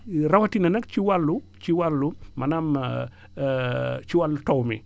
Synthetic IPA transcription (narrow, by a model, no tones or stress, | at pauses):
rawatinɐnɐkt͡ʃiwalːu | t͡ʃiwalːumɐnam | t͡ʃiwalːutɔwmḭ